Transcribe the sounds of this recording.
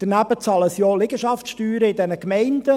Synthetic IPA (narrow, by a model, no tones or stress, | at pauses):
d̥ənæbət͡sɑləsjɔːlɪɡ̥əʃɑftʃtyːɾəɪdɛnəkmɛɪnd̥ə